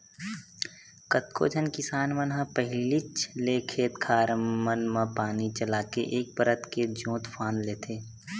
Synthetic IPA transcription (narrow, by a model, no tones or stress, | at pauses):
kət̪ko̰d͡ʒʱənkɪsaːnmənɦãpəɦɪlit͡ʃlekʰeːt̪kʰaːɾmənmãpaːnit͡ʃəlaːkḛʔeːk̚pəɾət̪ked͡ʒõːt̪pʰaːnleːt̪ʰeː